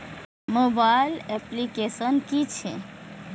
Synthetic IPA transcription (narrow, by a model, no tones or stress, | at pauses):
mobaɪlɛplikesənkit͡ʃʰḛ